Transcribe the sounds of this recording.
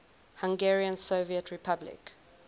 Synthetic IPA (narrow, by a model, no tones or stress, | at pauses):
hãŋɡɛɹiə̃nsoviətʰɹipʰablɪ̰k